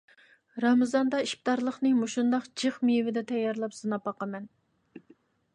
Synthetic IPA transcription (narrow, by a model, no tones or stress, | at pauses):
ɾɑmɨzɑnd̪ɑiʃp̚t̪ɑɾlˠəχnɨmoʃund̪ɑqd͡ʒɨχmijivɪd̪ɛt̪ʰɛjːɑɾlˠɑpz̥ɨnɑpɑqɑmɛn